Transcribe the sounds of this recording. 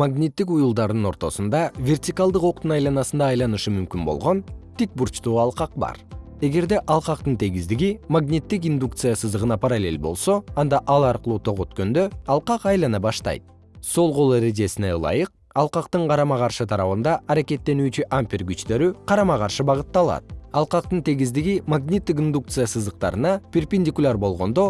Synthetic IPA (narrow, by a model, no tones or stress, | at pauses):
maɡnʲit̪ːikujulˠd̪ɑɾd̪ɯno̞ɾt̪o̞sund̪ɑvʲe̞rt̪ʲikalˠd̪ɯqo̞q̚t̪unɑjlˠɑnɑsɯnd̪ɑːjlˠɑnɯʃɯmymkʲynbo̞̰lˠʁo̞nt̪ik̚buɾt͡ʃt̪uːɑlˠqɑq̚bɑ̰ɾ | e̞ɡe̞ɾd̪e̞ʔɑlˠqɑqt̪ɯnt̪ʰeɡʲizd̪iɡimaɡnʲit̪ːik̬ind̪ukt̪sɨjasɯzd̪ɯʁɯnɑpʰɑɾalʲe̞̰lʲbo̞̰lˠso̞ɑnd̪ɑʔɑlˠɑɾqɯlˠuːt̪ʰo̞ʁo̞t̪kø̞nd̪ø̞ɑlˠqɑqɑjlˠɑnɑbɑʃt̪ɑ̰jt̪̚ | so̞lˠʁo̞lˠeɾed̬ʲe̞sinelˠɑ̰jɯq̚ | ɑlˠqɑqt̪ɯɴqʰɑɾɑmɑqɑɾʃɯt̪ʰɑɾɑβɯnd̪ɑʔɑɾake̞t̪ːe̞nyːt͡ʃyʔampʲirɡyt͡ʃt̪ø̞ɾyqʰɑɾɑmɑqɑɾʃɯbɑʁɯt̪ːɑlˠɑ̰t̪̚ɑlˠqɑqt̪ɯnt̪ʰe̞ɡizd̪iɡimaɡnʲit̪ːik̬ind̪uk̚t̪sɨjasɯzd̪əq̚t̪ɑ̰ɾɯnɑpʲerpʲenʲdʲikulʲarbo̞lˠʁo̞nd̪o